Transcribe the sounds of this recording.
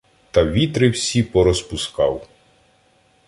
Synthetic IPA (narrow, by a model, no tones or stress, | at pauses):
t̪ɐʋʲit̪ɾɪwsʲipɔɾɔspʊskɑ̰w